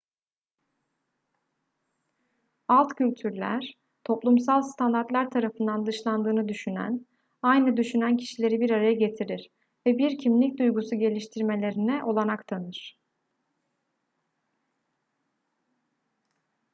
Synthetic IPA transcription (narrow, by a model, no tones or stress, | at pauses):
alˠt̪cʰylʲt̪ʰyɾlʲæ̰ɾ̥ | t̪ʰo̞plˠumsalˠst̪ʰand̪aɾt̪lʲˠæɾt̪ʰaɾafɯnd̪and̪ɯʃlˠand̪ɯːnɯd̪yʃynæ̰n | ajnɯd̪yʃynæncʰi̥ʃilʲe̞ɾibiɾaɾajaɟe̞t̪ʰiɾiɾ | vɛbiɾcʰimlʲic̚d̪ujɡusuɟe̞lʲiʃt̪ʰiɾme̞lʲe̞ɾinɛʔo̞lˠanakt̪ʰanɯɾ̥